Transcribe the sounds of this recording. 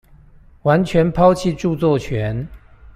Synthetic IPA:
wa˧˦˥nt͡ɕʰɥɛ˧˥npʰɑ˥ʊt͡ɕʰi˥˨ʈ͡ʂu˥˧t͡swɔ˥˩t͡ɕʰɥɛ˨˧˥n

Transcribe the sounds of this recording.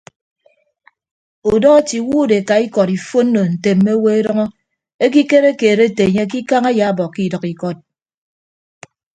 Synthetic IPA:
u˨dɔ˦ti˨wuː˦˨de˨ka˨i˦kɔ˨ɾi˨fo˦n̩˦no˨n̩˨te˨m̩ːe˦we˦e˦dɔ˦ŋɔ˦ | e˦k̬i˦ke˦ɾe˦keː˨ɾe˦te˨ɲe˦k̬i˦ka˦ŋa˦ja˨a˦bɔ˨ki˦˨dʌ˨ki˨kɔ˦t̚

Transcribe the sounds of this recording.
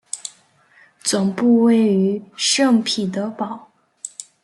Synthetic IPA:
t͡swʊ˨˩ŋpu˥˧we˥˩ɪy˧˥ʂɤ˥˩ŋpʰi˨˩t̪ə˧˥pɑ˨˩˦ʊ

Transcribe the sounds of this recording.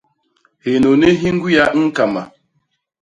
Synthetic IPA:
he˨no˨ne˦ɦi˦ŋ̩˦ɡu˦ja˦ŋ̩˦ka˨ma̰˨

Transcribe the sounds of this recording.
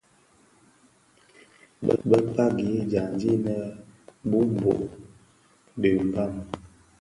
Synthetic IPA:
bə̰˦bə˦pa˦ɡi˨˦d͡ʒa˨nd͡ʒi˦nə˦bu˦m˨bo̰˨ʔ | də˨m˨ba˦˨m

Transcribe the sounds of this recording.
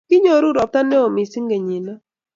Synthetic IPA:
kɪ˦ɲo˨ɾu˦ɾɔ˨p̚t̪a˦nɛ˦o˨mɪ˨si˦ŋɡe˨ɲi˨na˦

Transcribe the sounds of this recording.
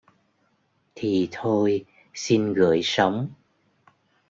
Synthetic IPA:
t̪ʰi˨˩t̪ʰo˧j | si˧nɣɨ̰˧˩˨əjsə˨˦wŋ͡m

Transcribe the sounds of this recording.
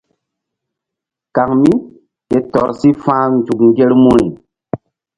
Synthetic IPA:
ka˨ŋmi˦ | ke˨tɔ˨ɾsi˦fãː˦nd͡ʒu˨k̚ŋɡe˦ɾmu˦ɾi˨

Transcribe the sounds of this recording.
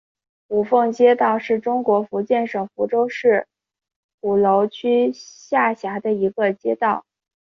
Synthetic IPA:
u˨˩fɤ˥˩ŋt͡ɕjɛ˥t̪ɑ˥˧ʊʂɻ̩˥˩ʈ͡ʂʊ˥ŋkwɔ˧˥fu˧˥t͡ɕjɛ˥˩nʂɤ˨˩ŋfu˧˥ʈ͡ʂo˥ʊʂɻ̩˥˩ | u˨˩lo˧˥ʊt͡ɕʰy˥ɕja˥˩ɕja˧˥d̪ə˧i˧˥ɡə˧t͡ɕjɛ˥t̪ɑ˥˩ʊ

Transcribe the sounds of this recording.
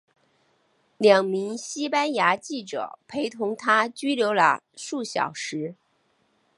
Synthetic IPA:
ljɑ˨˩ŋmi˧˥ŋɕi˥pa˥nja˧˥t͡ɕi˥˩ʈ͡ʂɤ̰˨˩pʰe˧˥ɪt̪ʰʊ˧˥ŋt̪ʰa˥t͡ɕy˥ljo˧˥ʊlə̰˧ʂu˥˩ɕjɑ̰˨˩ʊʂɻ̩˧˥

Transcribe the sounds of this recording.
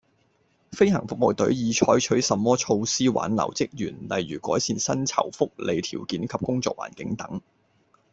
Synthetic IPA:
fe˥jhɐ̰˨˩ŋfʊ˨k̚mo˨wt̪ɵ˨˥ɥjiː˨˧t͡ʃʰɔː˨˥jt͡ʃʰɵ˨˥ɥsɐ˨mːɔː˥t͡ʃʰo˧wsiː˥wa̰ː˨˥nlɐ̰˨˩wt͡sɪ˥k̚jyː˨˩nlɐ˨jɥyː˨˩kɔː˨˥jsiː˧nsɐ˥nt͡sʰɐ̰˨˩wfʊ˥k̚lʔe˨˧jt̪ʰiː˨˩wkiː˨˥nkʰɐ˨p̚kʊ˥ŋt͡sɔ̰ː˧˨kwʔa̰ː˨˩nkɪ˨˥ŋt̪ɐ˨˥ŋ

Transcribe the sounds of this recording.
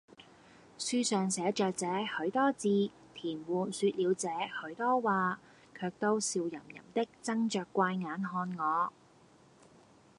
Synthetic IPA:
syː˧sœː˨ŋsɛː˨˥t͡ʃœː˨k̚t͡sɛː˨˥hɵ˨˥ɥt̪ɔː˥t͡siː˧ | t̪ʰiː˨˩nwuː˨nsyː˧t̚liː˨˧wt͡sɛː˨˥hɵ˨˥ɥt̪ɔː˥waː˨˧ | kʰœː˧k̚t̪o˥wsiː˨wjɐ̰˨˩mjɐ̰˨˩mt̪ɪ˥k̚t͡sɐ˥ŋt͡ʃœː˨˧kːʷaː˧jŋaː˨˥nɦɔː˧nŋɔː˨˧

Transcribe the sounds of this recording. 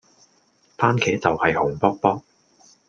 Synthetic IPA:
paː˥nkʰɛː˨˥t͡sɐ˨whɐ˨jhʊ˨˩ŋpɔː˥k̚pɔː˥k̚

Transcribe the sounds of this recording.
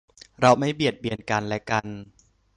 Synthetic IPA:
ɾa˧wma˥˩jbi˨˩ə˩t̪̚bi˧ənka˧nlɛ˦˥ka˧n

